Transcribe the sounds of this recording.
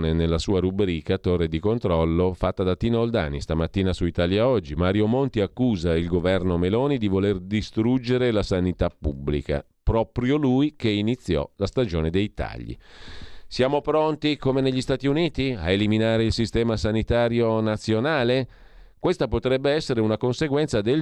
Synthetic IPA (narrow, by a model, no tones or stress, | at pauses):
nenelːasuːaɾubɾiːkat̪orːed̪ikont̪ɾɔlːofat̪ːad̪at̪iːnold̪a̰ːnist̪amat̪ːiːnasuit̪aːljaɔd͡ʒːimaːɾjomont̪iakːuːzailɡovɛrnomelɔːnid̪ivolerd̪ist̪ɾud͡ʒeɾelasanit̪apːubːlḭka̰ | pɾɔːpɾjolujkeinit̪sːjɔ̰last̪ad͡ʒoːned̪ejt̪a̰ʎːḭ | sjaːmopɾont̪ikomeneʎːist̪aːt̪iuniːt̪ia̰eliminaːɾeilsist̪ɛːmasanit̪aːɾjonat̪sːjonaːle | kwest̪apot̪ɾɛbːeɛsːeɾeunakonseɡwɛnt̪sad̪el